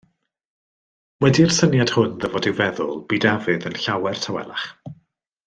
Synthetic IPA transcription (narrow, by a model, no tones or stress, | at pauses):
wɛdiərsənjad̥hʊnðəvɔdɪwvɛðʊ̰lˠb̥iːdavɨðənɬawɛr̥tʰawɛ̰lˠa̰χ